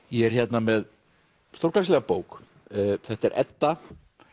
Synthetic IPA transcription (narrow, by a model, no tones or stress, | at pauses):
jɛɛɾ̥çjɛt̪̚namɛð | st̪owɾklaslɛɣapoːwkː | θɛht̪ɛɾʔɛ̰t̪ːa